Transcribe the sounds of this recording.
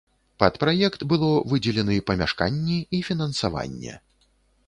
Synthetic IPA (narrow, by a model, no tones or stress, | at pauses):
pɐt̪pɾajɛkt̪bɨlˠɔvɨd͡zʲɛlʲɛnɐipɐmʲaʂka̰nʲːɛifʲinɐnsava̰nʲːɛ̰